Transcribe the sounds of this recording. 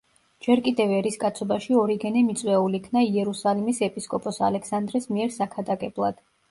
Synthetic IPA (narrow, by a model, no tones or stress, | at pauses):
d͡ʒɛɾkʼid̪ɛvɛɾiskʼat̪sʰɔbaʃiɔɾiɡɛnɛmit̪sʼwɛulikʰnaiɛɾusalimisɛpʼiskʼɔpʼɔsa̰lɛksand̪ɾɛsmiɛɾsakʰad̪akʼɛblˠa̰d̪̥